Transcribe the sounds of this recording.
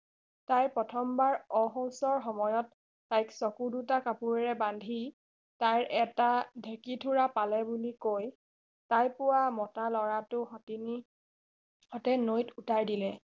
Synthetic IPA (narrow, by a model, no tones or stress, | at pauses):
tajpɹɔtʰɔmbaɹɔɦɔwsɔɹxɔmɔjɔtː | ajksɔkudutakapuɹɛɹɛbandʱi | tajɹʔɛtadʱekitʰuɹapalɛbulikoj | tajpʊwamɔtalɔɹatʊxɔtini | hɔtɛnojtutajdilɛ